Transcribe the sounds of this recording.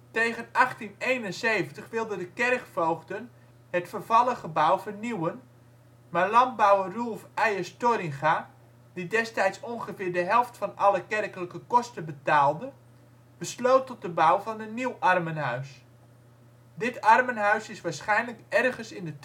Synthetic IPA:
tejɣənɑχtinejnənseːvəntəχʋɪlˠdədəkɛrkfowχdən | hətfərvɑlˠəχəbawfərniwən | maːɹlɑnt̚bawərulˠfɛjəstorɪŋχa | d̥idɛstɛjtsonχəfɪːɹdəɦɛlˠftfɑnʔɑləkɛrkələkəkɔstəbətaːlˠdə | b̥əsloːtɔt̚dəbawvɑnənniwʔɑrmənɦœɥs | dɪtʰɑrmənɦœɥsɪsʋaːɹsχɛjnləkɛrɣənsɪndə

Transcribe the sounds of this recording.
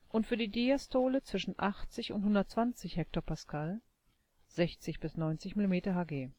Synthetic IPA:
ʔʊntfyːɐdiːdiastʰoːlət͡sv̥ɪʃn̩ʔaχt͡sɪçʊ̰nthʊndɐt̚t͡sv̥ant͡sɪçhɛk̚toːɐpaskʰal | z̥ɛçt͡sɪçb̥ɪsnɔʏnt͡sɪçmilimeːtɐɦaːɡeː

